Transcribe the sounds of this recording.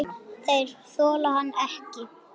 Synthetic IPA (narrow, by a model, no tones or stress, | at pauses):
θejɾ̥θɔːlaɦanːɛhcɪ